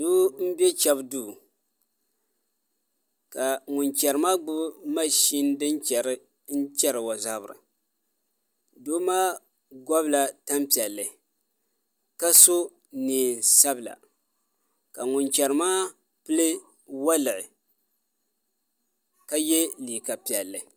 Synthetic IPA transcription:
duː˦m̩˦bjɛ˦t͡ʃɛ˦bduː˦˨ | ka˨ŋʊ˨nt͡ʃɛ˨ɾɨ˦maː˦ɡ͡bʊ˦ma˦ʃi˦ndɨ˦nt͡ʃɛ˨ɾɨ˦ | n̩˦t͡ʃɛ˦ɾɨ˨wa˨za˦bɾɨ̰˨ | doː˦maː˦ | ɡʷɔ˦bla˨ta˦mpi˨ɛ˨lːɨ˨ | ka˦so˦ | niː˨sa˦bɨ˨la̰˨ | ka˨ŋʊ˨nt͡ʃɛ˨ɾɨ˨maː˦ | pɨ˦lɨ˦ | wa˦lɨ˨ʔɪ̰˨ | ka˦jɛ˦liː˨ka˨pi˨ɛ˨lːɨ˨

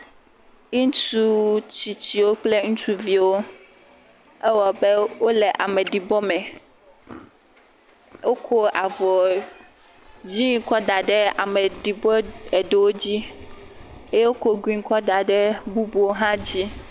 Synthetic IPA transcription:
i˦n˦tu˦t͡ɕi˨t͡ɕi˨wo˦k͡ple˦ŋũ˦t͡ʃu˦vi˨wo˦ | ɛ˦wɔ˨be˦wo˦lɛ˨ʔa˨mɛ˨ɖi˨bɔ˦mɛ̃˨ | wo˦kʰo˦ʔa˨vɔ˨ | d͡ʑi˦ŋ˦kɔ˦da˨ɖɛ˦a˨mɛ˨ɖi˨bɔ˦ɛ˨ɖe˨wo˦d͡ʑi˦ | e˦e˦wo˦ko˦ɡĩ˦ŋ̩˦kɔ˦da˨ɖɛ˦bu˦bu˨wo˦ɦã˦d͡ʑi˦

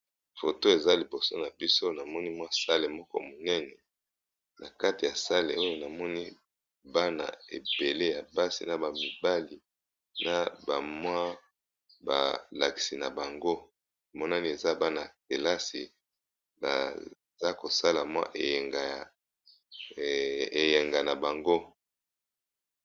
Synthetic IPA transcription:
fo˨to˦e˨za˦li˨bo˨so˦na˨bi˦so˦na˨mɔ˦ni˦mwa˦sa˦le˨mɔ˦kɔ̰˦mo˨nɛ˦nɛ˨ | na˨ka˦ti˨ja˨sa˦lḛ˨o˦jo˦na˨mɔ˦ni˦ | ba˦na̰˨ḛ˨be˨le˦ja˨ba˦sḭ˨na˨ba˨mi˨ba˦li˨ | nʔa˨ba˨mwa˦ | ba̰˨la˨ki̥˨si˨na˨ba˨ŋɡo˦ | a˨mɔ˦na˦ni˦e˨za˦ba˦na˨te˨la˦si˨ | ba̰˨ | za˦ko˨sa˦la˨mwa̰˦ʔe˨ŋɡa˨ | e˨jɛ˨ŋɡa˨na˨ba˨ŋɡo˦

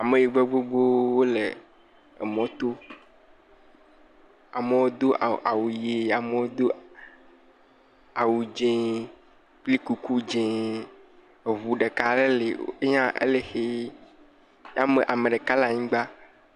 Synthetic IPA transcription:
a˨mẽ˨ji˨ɡ͡bo˦ɡ͡bo˦ɡ͡bo˦wo˦le˨ | ḛ˨mɔ̃˦t̪o˦ | a˨me˨wo˦d̪o˦˨ʔa̰˨wu˨je˦a˨me˦wo˦d̪o˦ | a˨wu˨d͡ʒẽ˦ | k͡pli˦ku˨ku˦d͡ʒẽ˦˨ | βu˨ɖe˨ka˨le˦le˨˦e˦ɲã˦ʔḛ˦le˦xe˦ | ja˦me˨ʔa˨me˨ɖe˨ka˦la˨ɲĩ˦ɡ͡ba˦

